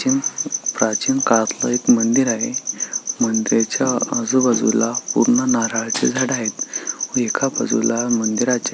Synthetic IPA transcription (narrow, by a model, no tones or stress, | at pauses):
inpɾat͡ɕinkaɭat̪lə̰ekmənd̪iɾaɦemənd̪iɾat͡ɕaəd͡zubad͡zṵlapṵɾɳənaɾaɭt͡sḛd͡zʱaɽaɦet̪əekʰabəd͡zulamənd̪iɾat͡ɕ